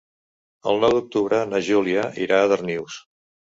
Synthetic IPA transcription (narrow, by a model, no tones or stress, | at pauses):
ə̰lˠnɔwd̪uk̚t̪uβɾənəʒuliəʔiɾaːðərniws